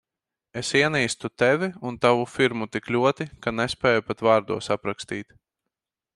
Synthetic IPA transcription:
esiɛniːst̪ut̪ɛvʲiunt̪avufiɾmut̪iklʲuɔt̪ikanespʲɛːjupat̪vaːɾd̪uɔsapɾakst̪iːt̪

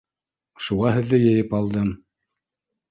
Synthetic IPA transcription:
ʃuʁɑɦɘ̆ðːɘjɘ̆jɘpɑlˠd̪ɤm

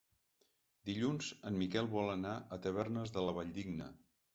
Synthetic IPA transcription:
d̪iʎunz̥əmmikɛlˠβɔlˠənaʔət̪əβ̞ɛrnəzðələβaʎd̪iɡnə̰

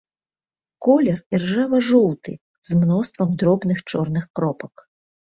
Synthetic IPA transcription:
kɔlʲɛrirʐavɐʐɔwt̪ʰɨ̰ | zmnɔst̪vɐmd̪ɾɔbnɨxt͡ʂɔrnɨxkɾɔpɐk

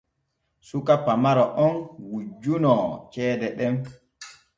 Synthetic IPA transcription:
sukapamaɾɔʔɔnwud͡ʒːunɔt͡ʃɛːdɛɗɛm

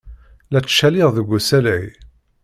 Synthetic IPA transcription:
læt͡sːʃælɪʁðəɡʷːusælʕi

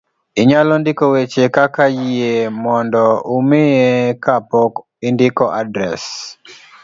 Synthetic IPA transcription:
ɪɲalɔndɪkowet͡ʃekakajiemɔndɔomɪjekapɔk | ɪndɪkɔʔadɾɛ̰s

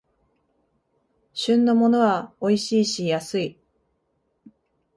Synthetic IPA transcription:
ɕɨ̃nːo̞mo̞no̞βaoiɕiːɕijasɨi

